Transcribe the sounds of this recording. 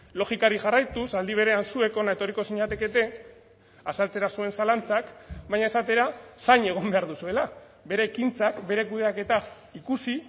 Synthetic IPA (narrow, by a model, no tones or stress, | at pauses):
lo̞xikaɾiʝarajt̪usald̪iβ̞e̞ɾeansue̞ko̞nae̞t̪o̞riko̞siɲat̪e̞ke̞t̪e̞ | asalt͡se̞ɾasue̞nsalant͡sakbajɲae̞sat̪e̞ɾasaɲe̞ɣ̞o̞mbe̞aɾðusue̞la | be̞ɾe̞ːkint͡sakbe̞ɾe̞kuðeake̞t̪a | ikusi